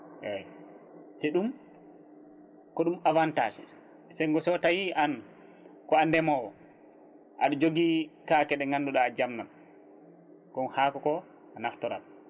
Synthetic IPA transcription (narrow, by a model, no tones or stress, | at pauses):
ʔɛ | tɛɗum | kɔɗumavantaːd͡ʒɛ | sɛŋɡɔsɔtajiʔan | kɔandɛmɔwɔ | ʔa̰ɗɔd͡ʒoɡikaːkɛɗɛŋandɔɗad͡ʒamnan | kɔnhaːkɔkɔ | anaftɔɾa̰l